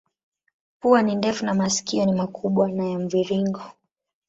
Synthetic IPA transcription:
puanindɛfunamasi̥kiɔnimakʰuɓwanajɛm̩viɾiŋɡɔ

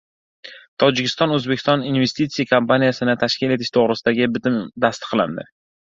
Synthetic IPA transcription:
t̪ʰɒd͡ʒɪkʲɪ̥st̪ɒnɵzbekʲɪ̥st̪ɒninve̞st̪it̪sijakʰampanijasɪnɪt̪ʰaʃkʲile̞t̪ʰɪʃt̪ʰoʁɾɪsɪd̪aɡʲɪbɪt̪ɪmd̪ast̪ɨ̥qʰlˠa̰nd̪ɪ̰

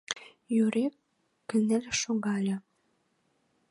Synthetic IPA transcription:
jøɾekː | ɘ̆nɘ̆lʲʃoɣɑlʲɤ̆

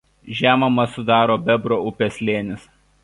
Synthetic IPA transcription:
ʒʲæːmɐmɐsʊd̪ɑːɾoːbʲɛbɾoːʊpʲeːsʲlʲeːnʲɪs

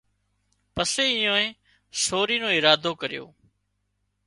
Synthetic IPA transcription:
pəseːɪjõːẽː | soːɾiːnõːɪɾaːd̪ʱoːkəɾɪjo̰ː

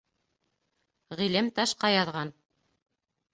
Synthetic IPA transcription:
ʁilɘmt̪ɑʃqɑjɑðʁɑn

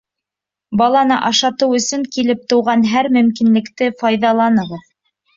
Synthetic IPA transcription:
bɑlˠɑnɤʔɑʃɑt̪ɤwɵ̆sɵŋkilɘp̚t̪ɤ̆wʁɑnɦæɾmɵ̆mkinlɘ̆kt̪ɘfɑjðɑlˠɑnɤ̆ʁɤð

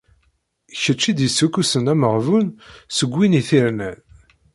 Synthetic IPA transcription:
çət͡ʃːid̪jəsːukːusənæməʁvunsəɡʷːiniθiɾnæn

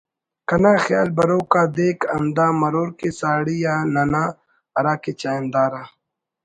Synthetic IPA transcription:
kɐnaːxja̰ːlbɐɾoːkaːd̪eːkɐmd̪aːmɐɾoːɾkesaːɽijaːnanaː | ɐɾaːkeːt͡ɕaːjnd̪aːɾaː

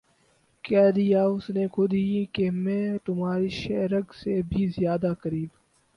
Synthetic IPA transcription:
kɛːd̪ijaːʊsnekʰʊd̪ikemɛ̃ːt̪ʊmɦaːɾiːʃɛɾɐɡsebʱizɪjaːd̪akɐɾiːb

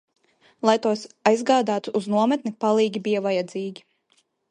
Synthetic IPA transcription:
lˠajt̪uɔsajzɡaːd̪aːt̪uʔːznuɔmɛt̪nipalˠiːɡʲibʲijavajad̪ziːɡʲi

